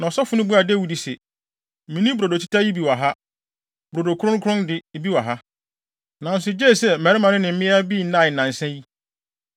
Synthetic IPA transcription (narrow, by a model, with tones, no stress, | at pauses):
nã˨ɔ˨sɔ˦fʊ˨˦nʊ̃˦bu˦a˨de˦wi˨di˨sɛ˨ | mĩ˨nĩ˦bɾo˨do˨t͡ɕʰi̥˦ta˦ji˦bi˨wa˨ɦa˦ | b̥ɾo˨do˨kʰʊ˦ɾʊ̃˦kʰʊ˦ʊ̃˦ndɪ˦bi˦wa˨ɦa˦ | nã˨n̩˦sʊ˨d͡ʑɛː˦˨sɛ˨mɛ˨ɾɪ˦mã˨nɪ̃˦nɪ̃˨m̩˦mɪ̃˦a˦bi˦˨˦nã˦˨ɪ˨nã˨n˨sɛ̃˦ji˦